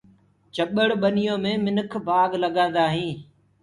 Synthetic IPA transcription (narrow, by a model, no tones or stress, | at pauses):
t͡ʃəɓəɽɓənɪjõːmẽːmɪnəkʰbaːɡləɠãːd̪aːɦĩː